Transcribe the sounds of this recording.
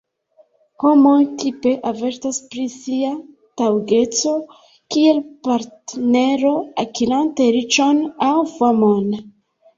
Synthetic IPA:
ho̞mo̞jtʰipe̞ʔave̞ɾtaspɾisia | tawɡe̞t͡so̞ | kie̞lpaɾtne̞ɾo̞akilante̞ɾit͡ʃo̞nawfamon

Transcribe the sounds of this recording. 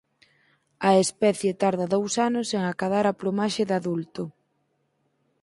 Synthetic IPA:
ɐespɛθjet̪aɾðɐðowsanʊseŋakaðaɾaplomaʃeðaðult̪ʊ

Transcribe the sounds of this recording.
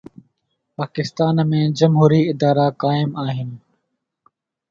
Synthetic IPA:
paːkɪst̪aːnmẽːd͡ʒəmɦuːɾiːɪd̪aːɾaːkaːɪmaːɦɪn

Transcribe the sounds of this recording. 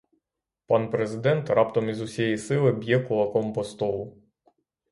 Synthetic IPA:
pɑnpɾezɪd̪ɛnt̪ɾɑp̚t̪ɔmizʊsʲjɛjisɪlˠɪbʲjɛkʊlˠɐkɔmpɔst̪ɔlˠʊ

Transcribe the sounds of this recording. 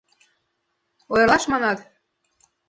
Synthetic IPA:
ojɤ̆rlɑʃmɑnɑt̪

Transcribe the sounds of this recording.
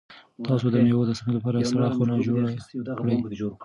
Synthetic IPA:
t̪ɑsod̪əmewod̪əsamelapɑɾasaɽɑxonɑd͡ʒoɽakɽəj

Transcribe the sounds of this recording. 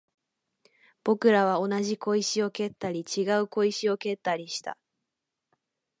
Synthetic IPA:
b̥o̞kɯ̟ɾaβ̞ao̞naʑiko̞iɕio̞ke̞t̪ːaɾʲit͡ɕiɡaɯ̟ko̞iɕio̞ke̞t̪ːaɾʲiɕi̥t̪a̰

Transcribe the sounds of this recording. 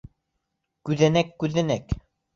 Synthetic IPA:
kʉðænækːʉðænæk

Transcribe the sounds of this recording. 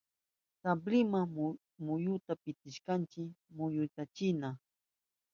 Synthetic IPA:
t̪ablɪma | mʊjʊt̪apɪt̪ɪʃkant͡ʃɪmʊjʊt̪at͡ʃɪna

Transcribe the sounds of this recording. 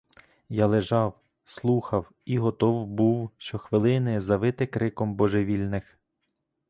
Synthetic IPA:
jalˠeʒɑw | slˠuxɐw | iɦɔt̪ɔwbuwʃt͡ʃɔxʋɪlˠɪnɪzɐʋɪt̪ɪkɾɪkɔmbɔʒeʋʲilʲnɪx

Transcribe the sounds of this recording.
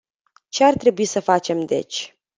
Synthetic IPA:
t͡ʃe̞art̪ɾe̞buisəfat͡ʃe̞md̪e̞̰t͡ʃʲ

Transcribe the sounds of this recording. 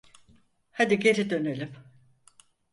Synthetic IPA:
had̪iɡɟe̞ɾid̪ø̞nelʲim

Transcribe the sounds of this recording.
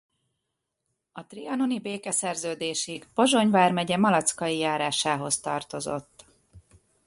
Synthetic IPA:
ɒt̪riɒno̞nibeːkɛsɛrzøːd̪eːʃiɡbo̞ʒo̞ɲvaːrmɛɟɛmɒlɒt̪skɒjijaːɾaːʃaːɦo̞st̪ɒ̰rt̪o̞zo̞̰t̪ː

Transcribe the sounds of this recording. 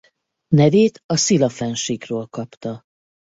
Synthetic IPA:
nɛveːt̪ɒsilɒfɛnʃikrøːlkɒpt̪ɒ

